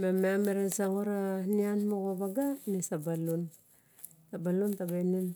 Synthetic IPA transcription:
mameameɾesaŋoɾanianmokobaɡanesabalun | tabaluntabenen

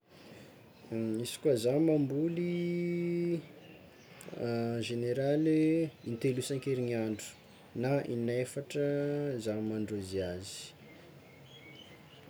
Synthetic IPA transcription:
isi̥kuazamambuli | ʒeneɾaleint̪elusaŋkeɾiɲiaɳɖ͡ʐu̥ | naʔinafaʈ͡ʂəzamaɳɖ͡ʐoziazi̥

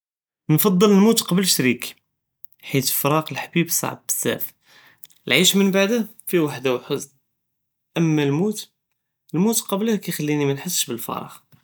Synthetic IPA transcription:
nfɑd̪ˤːələlmut̪qɑblʃɾik | ħit̪fɾˤɑqəlħbibsˤɑ̰ʕb̚bə̥sːæ̰f | əlʕiʃmənbaʕd̪æfiwaħd̪awħəz | ʔəmːælmut̪ | əlmut̪qɑblhkæjxælːinimænħəsːʃbəlfɑ̰ɾˤɑ̰x

